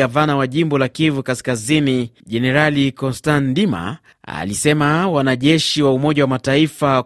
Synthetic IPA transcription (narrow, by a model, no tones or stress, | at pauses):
avanawaʄimbɔlakivukaskaziniʄɛnɛɾalikɔnstandima̰ | a̰lisɛmawanaʄɛʃiwaumɔʄawamataifa